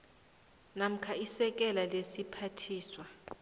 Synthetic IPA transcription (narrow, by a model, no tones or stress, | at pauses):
nam̩kʰaisɛk̬ʼɛlalesipʰatʰiːswa